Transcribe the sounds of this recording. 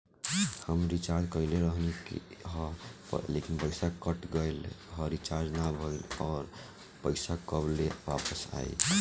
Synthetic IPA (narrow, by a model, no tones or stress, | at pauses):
həmɾit͡ʃaɾd͡ʒkəɪleɾəɦnikḭɦ | lekinpəɪsakəʈɡəjlɦəɾit͡ʃaɾd͡ʒnabʱəjlɔːɾ | pəɪsakəbleʋapəsa̰ḭ